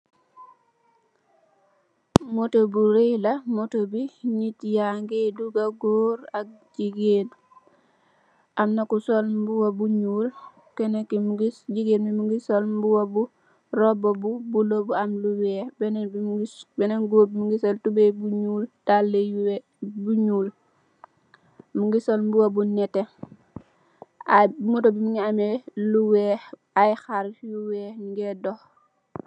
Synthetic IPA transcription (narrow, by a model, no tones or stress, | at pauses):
motobuɾelamotobiɲitjaŋɡeduɡaɡoːɾak̚d͡ʒiɡen | ʔamnakusolbuwabuɲuːl | kenekimɡiɟiɡenmimuɡisolmbuwabu | ɾɔbobubulobuamluwɛːbɛnbiibɛnɛŋɡoːbimuŋɡisɔltubebuɲuːltalːeuw | buɲuːl | muŋɡisolmbuwobunɛtːe | amutɔbimuŋɡiameluwɛː | ajxaɾfjuwɛŋŋɡɛdɔx